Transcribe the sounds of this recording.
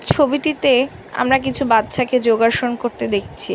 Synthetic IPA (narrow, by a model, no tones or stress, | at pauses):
t͡ɕʰobiʈit̪e | a̰mɾakit͡ɕʰubat̪ːɕʰaked͡ʑoɡaʃonkoɾt̪ed̪ekʰt͡ɕʰi